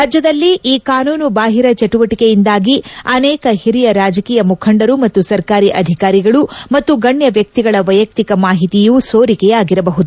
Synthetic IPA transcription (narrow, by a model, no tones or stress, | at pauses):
ɾaːd͡ʒjɐd̪ɐlːiʔiːkaːnuːnubaːɦiɾɐt͡ʃɐʈuʋɐʈikejind̪aːɡiɐnɛːkɐhiɾijɐɾaːd͡ʒɐkiːjɐmukʰɐɳɖɐɾumɐt̪ːusɐɾkaːɾiʔɐd̪ʱikaːɾiɡɐɭumɐt̪ːuɡɐɳjɐʋjɐk̚t̪iɡɐɭɐʋɐjɐk̚t̪ikɐmaːɦit̪ijusoːɾikɛjaːɡiɾɐbɐɦud̪u